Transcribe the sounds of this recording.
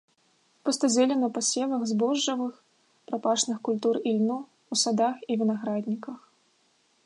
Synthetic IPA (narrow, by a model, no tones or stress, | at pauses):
pɔst̪ɐzʲɛlʲɛnɐpɐsʲɛvɐɣzbɔʐːɐvɨx | pɾapaʂnɨxkulʲt̪urilʲnu | usad̪axivʲinaɣɾad̪ʲnʲikɐx